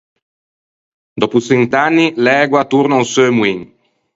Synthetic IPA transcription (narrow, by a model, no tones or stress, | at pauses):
d̪ɔpusent̪anːilɛːɡwat̪uɾnansømwiŋ